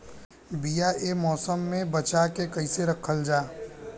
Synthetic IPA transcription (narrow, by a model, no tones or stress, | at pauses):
bijaʔemɔːsəmːẽbɐt͡ʃakekɐiseɾɐkʰəld͡ʒaː